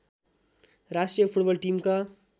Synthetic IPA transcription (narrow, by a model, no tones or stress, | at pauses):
ɾasʈijəpʰuʈbʌlʈimka